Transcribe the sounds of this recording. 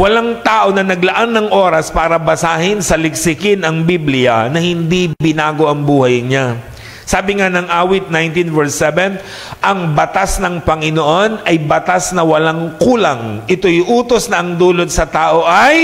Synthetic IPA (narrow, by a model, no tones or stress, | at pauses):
wɐlaŋt̪aːʔo̞nɐnɐɡlɐʔanːɐŋʔo̞ːɾɐspaːɾɐbɐsaːhɪnsɐlɪksɪkɪnɐŋbiblɪjɐnɐhɪnd̪ibɪnaːɡo̞ʔɐŋbuːhɐjɲa | saːbɪŋanɐŋʔaːwɪt̪̚najnt̪invɛɹsɛvɛn | ʔɐŋbɐt̪asnɐŋpɐŋɪnoʔo̞nɐjbɐt̪asnɐwɐlaŋkuːlɐŋʔɪt̪ojʊʔuːt̪o̞snɐʔɐŋd̪uːlot̪̚sɐt̪aːʔo̞ʔɐj